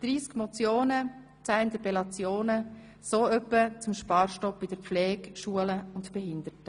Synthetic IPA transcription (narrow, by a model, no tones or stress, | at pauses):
d̥ɾiːskmɔt͡sjoːnə | t͡saɪnt̪əpɛlɑt͡sjoːnə | soːœpːət͡sʊmʃpɑːɾʃtɔpb̥ɪd̥əɾp͡flɛːkʃuələʊntb̥ɛhɪnd̪əɾtə